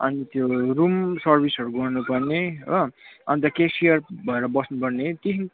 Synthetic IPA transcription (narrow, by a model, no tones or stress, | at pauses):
ʌ̰nit̪jorumsʌrbʱisʌɾuɡʌrnupʌrneʌʌnit̪ʌkesijʌrbʱʌeɾʌbʌsnupʌrnet̪iɦin